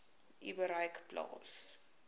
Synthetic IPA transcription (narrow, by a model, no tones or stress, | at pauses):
ʔiwəɾəjkplɑ̰ːs